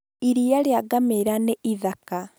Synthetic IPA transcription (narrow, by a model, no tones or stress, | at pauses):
iɾiaɾeaɡameɾaneiðaka